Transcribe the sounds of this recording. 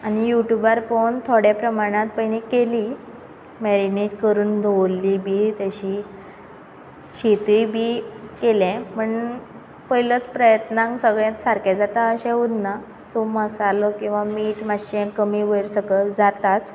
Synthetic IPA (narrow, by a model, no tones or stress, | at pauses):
añijuʈjubaɾpoɳt̪ʰoɽjapɾəmaɽ̃ãt̪̚pəjnikeli | mɛɾineʈkəɾuːnd̪ʱowlːiːbʱiːt̪aɕiː | ɕet̪ujbʱiːkelɛ̃pəɳ | pəjlət͡spɾəjət̪nãŋɡsəɡɭjãt̪saɾkɛd͡zat̪aəɕɛ̃ud̪na | soməsalɔkĩw̃ʋamiːʈmaɕɛ̃kəmiːʋəjɾsəkəld͡zat̪at͡s̪